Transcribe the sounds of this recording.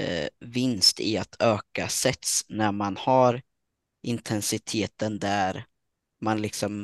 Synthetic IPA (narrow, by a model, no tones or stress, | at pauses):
vɪnst̪ɪat̪ʰøːkasɛt̪snæɾmanhaɾ | ʔɪnt̪ʰɛnsɪt̪ʰeːt̪ənd̪æɾ | manlɪksɔm